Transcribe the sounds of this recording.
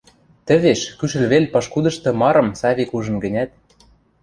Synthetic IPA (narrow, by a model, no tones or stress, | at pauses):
t̪ə̆βeʃkyʃ̬ɘ̆lβelʲpɑʃkud̪ɤ̆ʃt̪ɤ̆mɑɾɤ̆msɑβʲikuʒɤ̆nɡə̆nʲæt̪̚